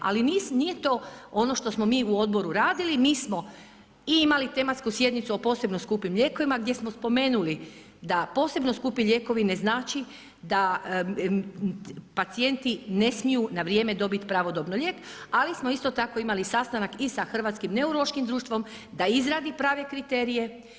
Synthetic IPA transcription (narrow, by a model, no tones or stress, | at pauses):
a̰liniːsnijet̪o̞o̞no̞ʃt̪o̞smo̞miːuo̞d̪̚bo̞ɾuɾaːd̪ilimiːsmo̞ | iimalit̪e̞mat̪skusje̞d̪nit̪suo̞po̞ːse̞bnoskupimʎʲe̞ːko̞ʋimaɡd̪je̞smo̞spo̞me̞ːnuli | d̪apo̞ːse̞bno̞skupiʎe̞ːko̞ʋine̞znaːt͡ʃi | d̪a | pat̪sije̞nt̪ine̞smijunaʋɾje̞ːme̞d̪o̞bit̪pɾaʋo̞d̪obnoʎʲeːkalismo̞ist̪o̞t̪ako̞imalisast̪anakisaxr̩ʋat̪skimne̞uɾoloʃkimd̪ɾuːʃt̪ʋo̞m | d̪aizɾaːd̪ipɾaːʋe̞kɾit̪e̞ːɾije̞